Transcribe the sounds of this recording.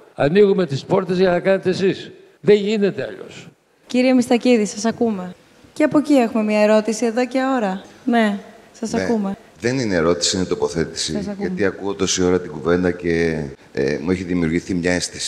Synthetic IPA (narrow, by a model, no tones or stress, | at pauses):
ɐ̰niɣume̞t̪ispo̞ɾt̪e̞zʝɐnɐkɐnet̪eːsis | ðe̞ɲʝine̞t̪e̞ɐ̰ʎo̞̰s | ciɾiemist̪ɐciðisɐsɐkume̞ | ceɐpo̞cie̞xume̞mɲɐe̞ɾo̞t̪isie̞ðo̞ce̞o̞ɾɐne̞ | sɐsɐkume̞ | ðe̞nineeɾo̞t̪i̥sinet̪o̞po̞θe̞t̪i̥siɐt̪iɐkuot̪osio̞ɾɐt̪iɡuve̞nd̪ɐce̞ | mueçiðimiuɾʝiθimɲɐe̞st̪isi